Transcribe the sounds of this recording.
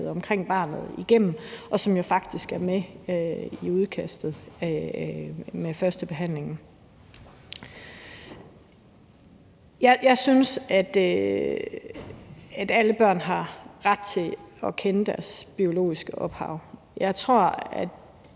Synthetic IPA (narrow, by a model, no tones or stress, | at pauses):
ð̩ˠɒ̽mkʰʁeŋ̰b̥ɑ̈ːnð̩ˠiɡ̥em̰m̩ʔɒ̽sɒ̽mjo̝fɑ̈ɡ̥d̥isɡ̥æɐme | iuð̞ˠkʰæsd̥ð̩ˠ | mefɶɐsd̥əb̥e̝ɦæn̰le̝ŋn̩ | jjɑ̈ɪsynsæd̥ | æd̥æləb̥ɶɐ̰nɦɑ̈ʁɑ̈d̥̚t͡sʰe̝ɒ̽kʰenəd̥æɐsb̥io̝lo̝̰ːisɡ̥əʔɒ̽b̥hɑ̈ʊ̰ | jɑ̈ɪt͡sʰʁo̝ɐ̰æd̥